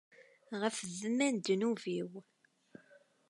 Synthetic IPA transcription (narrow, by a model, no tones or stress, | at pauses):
ʁəfzəmænd̪nuviw